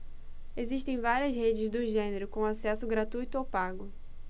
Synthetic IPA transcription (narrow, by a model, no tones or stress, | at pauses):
eziʃt̪ẽj̃vaɾiɐzhed͡ʒɪzd̪ʊʒẽneɾʊkõasɛsʊɡɾat̪ujt̪ʊowpaɡʊ